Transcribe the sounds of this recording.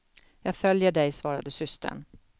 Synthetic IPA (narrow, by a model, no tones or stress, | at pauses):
jɑːɡfœljəɖɛjsvɑːɾad̪əsʏst̪ʰə̰ɳ